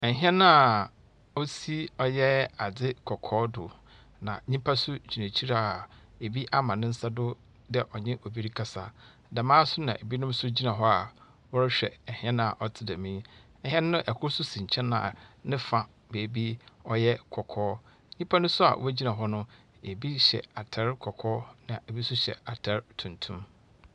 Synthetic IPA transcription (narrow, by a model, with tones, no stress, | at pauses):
ɛ˨ɦɛ̃˦nʊ̃˦a˨ | o˦si˦ɔ˦jɛ˦a˨d͡zɪ˦kʰɔ˨kʰɔː˦dʊ̰˨ | nã˨ɲĩ˦pʰa˦sʊ˦d͡ʑʰi˨nã˨t͡ɕʰi˦ɾa˨ | e˨bi˦ʔa˦mã˨nɪ̃˦n̩˦sa˦dʊ˦ | dɛ˦ʔɔ˨ɲɪ̃˦ʔo˨bi˦ɾi˦kʰa˦sa˨ | da˨mãː˦sʊ˦nã̰˨e˨bi˦nʊ̃˦m˦sʊ˦d͡ʑi˦nã˨ɦɔ˦a˨ | wɔ˦ɾɪ˦ɕᶣɛ̰˨ɛ˨hɛ̃˦ñ˦a˨ʔɔ˨tʰɪ˦dæ˨mĩ˦ | ɛ˨hɛ̃˦n˦nʊ̃˦ʔɛ˨kʰʊ˦sʊ˦sĩ˨ɲ̩˨t͡ɕʰɛ̃˦nã̰ː˨nɪ̃˦fã˨ | be˨bi˦ɔ˦jɛ˦kʰɔ˨kʰɔː˦ | ɲĩ˦pʰa˦nʊ̃˦msʊ˦a̰˨wæ˦d͡ʑi˦nã˨ɦɔ˦nʊ̃˦ | e˨bi˦ɕɛ̰˨a˨tʰɛ˨˦ɾkʰɔ˨kʰɔː˦nã˨e˨bi˦sʊ˦ɕɛ̰˨a˨tʰɛ˨˦ɾtʰũ˨ntʰũ˦m